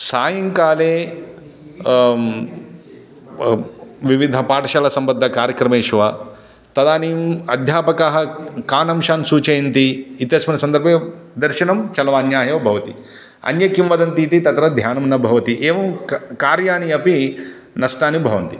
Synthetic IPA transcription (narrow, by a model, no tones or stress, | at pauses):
saːjɐŋkaːleː | ʋiʋid̪ʱɐpaːʈɐʃaːlɐsɐmbɐd̪ʱːɐkaːɾjɐkɾɐmeːʃʋa | t̪ɐd̪aːniːmɐd̪ʱjaːpɐkaːɦɐkaːnɐmʃaːnsuːt͡ʃɐjɐnt̪iːt̪jɐsmɐnɐsɐnd̪ɐɾbʱed̪ɐɾʃɐnɐmt͡ʃɐlɐʋɐːnjaːjɐʋɐbʱɐʋɐt̪i | ɐ̰njɐkjumʋɐd̪ɐnt̪iːt̪it̪ɐt̪ɾɐd̪ʱjaːnɐmnɐbʱɐʋɐt̪iʔeːʋɐmkaːɾjaːniɐpi | nɐsʈaːnibʱɐʋɐnt̪i